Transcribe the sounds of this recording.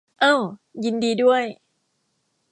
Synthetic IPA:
ʔɤː˧˥˩ji˧ndiː˧du˥˩əj

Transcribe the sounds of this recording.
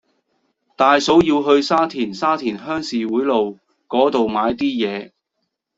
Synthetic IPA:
t̪aː˨jso˨˥wjiː˧wɦɵ˧ɥsaː˥t̪ʰiː˨˩nsaː˥t̪ʰiː˨˩nɦœː˥ŋsiː˨wuː˨˥jlo˨w | kɔː˨˥t̪o˨wmaː˨˧jt̪iː˥jɛː˨˧

